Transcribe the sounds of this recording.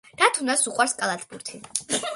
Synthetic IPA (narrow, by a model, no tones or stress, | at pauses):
d̪̥at̪ʰunasuqʼwaɾskʼalˠat̪ʰbuɾt̪ʰi